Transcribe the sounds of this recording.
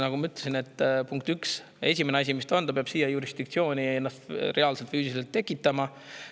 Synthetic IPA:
nɑɡ̥umɑyt̪ːˑlesine̞t̪ːˑpuŋkt̪yks | e̞s̬ʲimeneɑs̬ʲimist̪ond̪̥ɑpeɑb̥sijɑjuɾisd̪̥ikt̪sio̞ːnʲienːɑst̪ɾe̞ɑlse̞lt̪fyːsiselt̪ːe̞kːˑit̪ːˑɑmɑ

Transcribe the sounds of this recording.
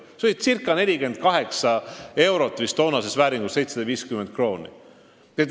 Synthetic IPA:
soit̪sirkːˑɑne̞lʲike̞nd̪̥̚kɑɦe̞ksɑe̞wɾo̞t̪ːˑvist̪o̞ːnɑse̞svæːɾiŋɡusse̞jt̪sed̪ɑviːskyment̪̚kro̞ːnʲḭ | et̪

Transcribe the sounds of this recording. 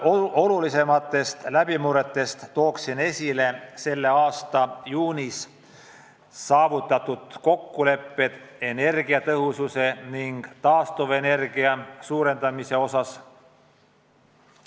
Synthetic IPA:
o̞lulise̞mɑt̪ːˑe̞st̪læb̥imuɾe̞t̪ːˑe̞st̪t̪ːo̞ːksine̞sʲile̞se̞lːe̞ɑːst̪ɑjuːnis | sɑːvut̪ːˑɑt̪ud̪̥ko̞kːule̞pːe̞d̪̥e̞ne̞rɡiɑt̪ɤɦususe̞niŋɡ̥t̪ɑːst̪uve̞ne̞rɡ̥iɑsuːɾe̞nd̪̥ɑmise̞o̞sɑs

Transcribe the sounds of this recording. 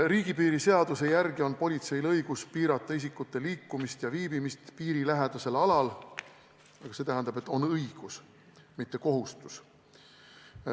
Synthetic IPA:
riːɡ̥ipiːɾise̞ɑd̪̥use̞jærɡ̥io̞npo̞lʲit̪se̞jlɤjɡ̥uspiːɾɑt̪ːˑɑis̬ikːˑut̪ːe̞liːkːumist̪jɑviːbimist̪piːɾilæɦed̪̥use̞lɑlɑl | ɑɡ̥ɑset̪æɦænd̪̥ɑb̥e̞t̪ːˑo̞nɤjɡ̥us | mit̪ːe̞ko̞ɦust̪u̥s

